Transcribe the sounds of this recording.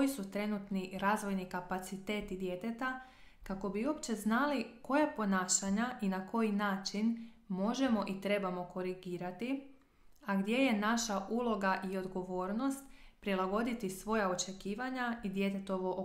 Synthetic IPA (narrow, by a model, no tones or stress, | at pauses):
ojisut̪ɾe̞nut̪niɾaːzʋo̞jnikapat̪sit̪e̞ːt̪id̪je̞t̪e̞t̪a | kako̞biuopt͡ɕe̞znaliko̞japo̞naːʃaɲaʔinakʰo̞jinaːt͡ʃin | mo̞ʒe̞mo̞ʔit̪ɾe̞bamo̞ko̞ɾiɡiːɾat̪i | aɡd̪je̞je̞naʃaʔulˠo̞ɡaʔio̞d̪ɡo̞ʋo̞ːɾno̞st̪pɾilˠaɡo̞d̪it̪isʋo̞jao̞t͡ʃe̞kiːʋaɲaid̪je̞t̪e̞t̪o̞ʋo̞ʔo